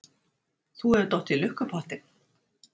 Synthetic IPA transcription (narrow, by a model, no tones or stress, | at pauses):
θuɛvt̪ɔht̪ilʏhkapʰɔlt̪ɪn